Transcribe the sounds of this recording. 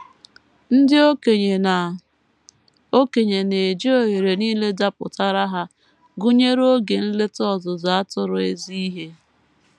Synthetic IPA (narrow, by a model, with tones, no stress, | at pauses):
n̩˦dɪ˦o˦e˨a˨ | o˦ke˨ɲe˨ne˨d͡ʒi˦o˦˨ɦe˨ɾe˨niː˦le˦da˦pʊ̰˨ta˦ɾa˦ɦa˦ | ɡʊ˦ɲe˦ɾo˦ɡe˨n̩˦le˦tɔ˦˨zʊ˨za˨a˦tʊ˦ɾʊ˨e˦zi˦i˦ɦe˦